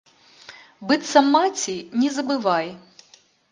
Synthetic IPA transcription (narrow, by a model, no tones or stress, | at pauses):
bɨt̪sɐmːatʲinʲɛzɐbɨvaj